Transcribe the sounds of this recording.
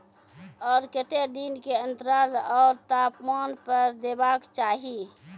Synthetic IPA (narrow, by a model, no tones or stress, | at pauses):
ɔːɾkət̪ed̪inkeə̃nt̪əɾaːlɔːɾt̪aːpmaːnpəɾd̪ebaːkt͡ʃaːɦi